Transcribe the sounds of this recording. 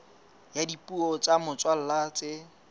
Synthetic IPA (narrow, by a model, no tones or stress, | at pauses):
jadipʼuɔt͡ʃʼamʊt͡sʼwal̩lat͡sʼɪ